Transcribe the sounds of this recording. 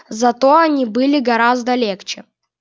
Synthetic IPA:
zɐt̪o̞ɐnʲibɨlʲɪɡɐɾazd̪əlʲext͡ɕɪ

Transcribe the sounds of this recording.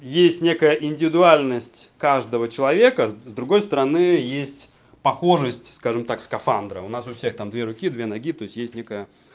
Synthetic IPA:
jesʲtʲnʲe̞kəjəʔɪnʲdʲɪvʲɪd̪ʊalʲnəsʲtʲkaʐd̪əvət͡ɕɪlˠɐvʲe̞kəzzd̪ɾʊɡo̞jst̪əɾɐnɨjesʲtʲ | pɐxo̞ʐəsʲtʲskaʐɨmt̪akskɐfand̪ɾə̰ʊnasʊfsʲext̪amd̪vʲe̞ɾʊkʲid̪vʲe̞nɐɡʲit̪o̞ɪsʲtʲjesʲtʲnʲekəjə

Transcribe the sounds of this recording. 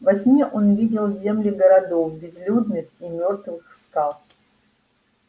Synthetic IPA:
vɐsʲmʲiʔonvʲidʲɪlˠzʲe̞mlʲɪɡəɾɐd̪ofbʲɪzlʲud̪nɨximʲo̞rt̪vɨxst̪alˠ

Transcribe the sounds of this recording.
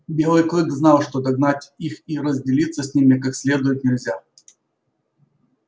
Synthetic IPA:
bʲelˠɨjkˠoɡznɑlˠʂt̪od̪ɐɡnatʲixiɾəzʲdʲɪlʲit̪səsʲnʲimʲɪkaksʲlʲe̞d̪ʊjɪt̪nʲɪlʲzʲa

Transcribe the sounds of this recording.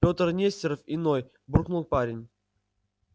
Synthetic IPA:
pʲo̞t̪ərnʲesʲtʲɪɾəfɪno̞j | burknulˠpaɾʲɪnʲ

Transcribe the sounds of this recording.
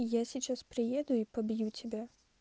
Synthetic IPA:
jasʲit͡ʃaspɾɪjɛd̪ʊipɔbʲjutʲɐbʲɛ

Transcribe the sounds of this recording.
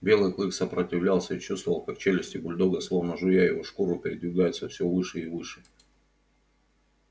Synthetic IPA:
bʲe̞lˠɨjklˠɨksəpɾətʲɪvlʲalˠsʲəit͡ɕust̪vəvəlˠkakt͡ɕelʲɪsʲtʲɪbʊlʲd̪oɡəslˠovnəʐʊjajɪvoʂkuɾʊpʲɪɾʲɪd̪vʲɪɡajɪt̪səfsʲɪovɨʂɨivɨʂɨ

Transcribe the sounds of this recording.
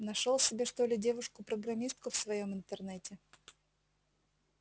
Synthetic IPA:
nɐʂolˠsʲɪbʲeʂt̪o̞lʲɪdʲe̞vʊʂkʊpɾəɡɾɐmʲist̪̚kʊfsvɐjo̞mɨnt̪ərnɛtʲɪ

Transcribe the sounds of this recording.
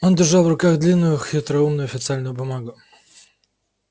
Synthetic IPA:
o̞ndʲɪrʐɑlˠvrʊkaɣd̪lʲinːʊjʊxʲɪt̪ɾɐumnʊjʊɐfʲɪt̪sɨalʲnʊjʊbʊmaɡʊ

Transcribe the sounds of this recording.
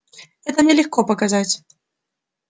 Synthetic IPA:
ɛt̪ɐmnʲɛlʲɪxkɔpɐkazat͡sʲ

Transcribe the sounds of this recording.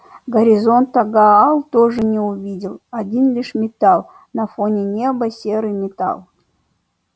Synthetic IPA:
ɡɐɾʲizont̪ːɐɡaːlˠt̪oʐɨnʲɛuvʲidʲɪlˠadʲinlʲiʂmʲɪt̪ɑlˠ | nɐfonʲenʲebɐsʲeɾɨmʲɪt̪ɑ̰lˠ

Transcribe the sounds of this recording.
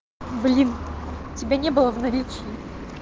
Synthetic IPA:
blʲintʲɪbʲanʲɛbɨlˠəvnɐɾʲit͡ɕi

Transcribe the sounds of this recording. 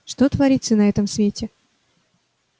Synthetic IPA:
ʂt̪ot̪vɐɾʲit̪sənɐɛt̪əmsvʲetʲɪ

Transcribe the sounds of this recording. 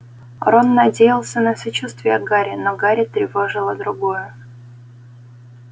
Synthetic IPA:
ɾonːɐdʲejɪlˠsʲənəsɐt͡ɕust̪vʲɪjəɡaɾʲɪnoɡaɾʲɪt̪ɾʲɪvo̞ʐɨlˠəd̪ɾʊɡojʊ

